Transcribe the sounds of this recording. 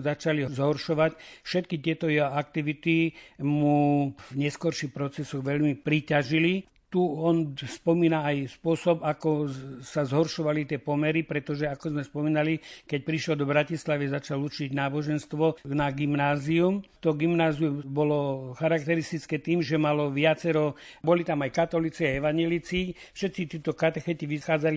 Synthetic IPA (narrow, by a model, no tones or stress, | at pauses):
zat͡ʃalizɦɔɾʃɔʋacfʃɛt̪kit̪ɪɛt̪ɔjɛɦɔak̚t̪iʋit̪imuvɲɛskɔɾʃixpɾɔt͡sɛsɔɣʋɛʎmipɾicaʒili | t̪uɔnspɔmiːnaajspʊɔsɔbakɔsazɦɔɾʃɔʋalit̪ɪɛpɔmɛɾipɾɛt̪ɔʒɛakɔzmɛspɔmiːnalikɛc̚pɾiʃlɔd̪ɔbɾacislaʋizat͡ʃalut͡ʃiɟnaːbɔʒɛnst̪ʋɔnaɡimnaːziumt̪ɔɡimnaːziumbɔlɔxaɾak̚t̪ɛɾist̪it͡skɛːt̪iːmʒɛmalɔʋɪat͡sɛɾɔbɔlit̪amajkat̪ɔlit͡siajɛʋaɲjɛlit͡sifʃɛt̪t͡sit̪ɛt̪ɔkat̪ɛxɛt̪iʋixaːd͡zali